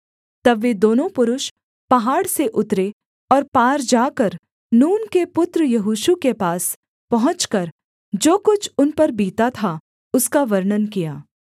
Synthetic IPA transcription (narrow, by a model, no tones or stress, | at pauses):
t̪ɐbʋed̪oːnõpʊɾʊʃ | pɐɦaːɽseʔʊt̪ɾe | ɔːɾpaːɾd͡ʒaːkɐɾ | nuːnkepʊt̪ɾəjɐɦoːʃukepaːs | pɐɦʊ̃t͡ʃkɐɾ | d͡ʒoːkʊt͡ʃʰʊnpɐɾbiːt̪at̪ʰa | ʊskaʋɐɾɳənkijaː